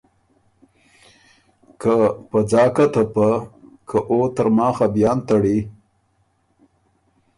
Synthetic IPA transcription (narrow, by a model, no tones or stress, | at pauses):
kəpəd͡zɑːkat̪apəkʰəʔot̪əɾmɑxabjɑːnt̪aɽi